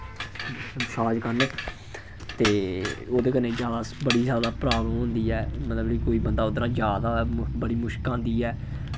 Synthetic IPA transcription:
ənsaːd͡ʒkəɾnə | t̪eːoːd̪eːkənẽːzjaːd̪aːbəɽiːzjaːd̪aːpɾaːbləmɦʊ̃nd̪iːɛːmət̪ləbiːkoːiːbənd̪aːod̪ɾãːd͡ʒjaːd̪aːbəɽiːmʊʃkãːnd̪iːɛː

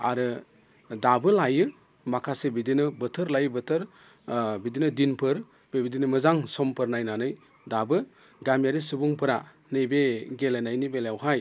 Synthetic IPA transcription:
a̰ɾɯ | dabɯlajɯ | makʰasebidinɯbɯtʰɯɾlajbɯtʰɯɾ | bidinɯdinpʰɯɾ | bebidinɯmɯzaŋsɔmpʰɯɾnajnanɯj | dabɯ | ɡamjaɾisubuŋpʰɯɾa | nɯjbeɡelenajnibeljawɦaj

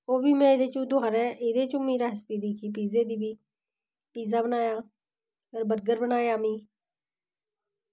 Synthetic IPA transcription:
oːbiːmɛ̃ːɪd̪eːt͡ʃũːd̪ʊaːɾɛ̃ːʔɪd̪eːt͡ʃũːmĩːɾaːɦɪspiːd̪iːkʰiːp̬iːzeːd̪iːbiː | piːzaːbənaːjãː | ɡəɾbəɾɡəɾbənaːjãːmĩː

